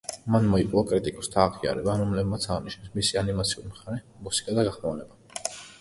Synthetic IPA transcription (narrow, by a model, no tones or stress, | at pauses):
manmɔipʼuakʼɾit̪ʼikʼɔst̪ʰaːʁia̰ɾɛbaɾɔmlɛbmat̪sʰaʁiniʃnɛsmisianimat̪sʰiuɾimχaɾɛmusi̥kʼad̪aɡaχmavnɛba